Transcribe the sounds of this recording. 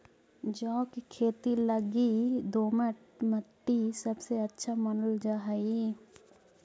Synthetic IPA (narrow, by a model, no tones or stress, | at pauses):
d͡ʒɔːkikʰeːt̪iləɡid̪oːməʈməʈːisɐbseɐtːʃʰamɐnʊld͡ʒaɦai